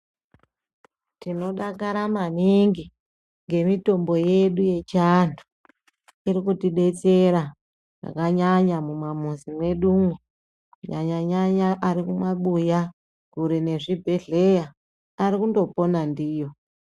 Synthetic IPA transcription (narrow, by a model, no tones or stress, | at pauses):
tino̞ɗakaɾamaniŋɡi | ŋɡe̞mito̞mbo̞je̞ɗuje̞t͡ʃandʰu̥ | iɾikutiɗe̞t͡se̞ɾa | ra̰kaɲaɲamumamuzimwe̞ɗume | ɲaɲaɲaɲaʔaɾikumwaɓuja | kuɾine̞ʐibʱe̞ɮe̞jaː | ɾikundo̞po̞nandiːjo̞